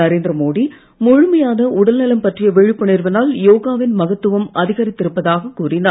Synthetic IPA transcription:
ɐɾeːnd̪ɾɐmoːɽi | mʊɻʊmɐjaːnɐʔʊɽɐlnɛlɐmpɐʈrɪjɐʋɛɻɪpːɯnɪɾʋɪnaːljoːɣaːʋɪnmɐɣɐt̪ːɯʋɐmɐðɪɣɐɾɪt̪ːɪɾɯpːɐðaːɣɐkuːrɪnaː

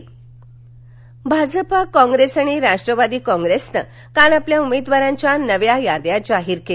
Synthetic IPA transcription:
bʱad͡zəpakɔ̃ŋɡɾesaɽ̃iɾaʂʈɾəʋad̪iːkɔ̃ŋɡɾesnə̰ | kanapljaumed̪ʋaɾãɲt͡ɕjanəʋjajad̪jad͡ʑaɦiːɾke

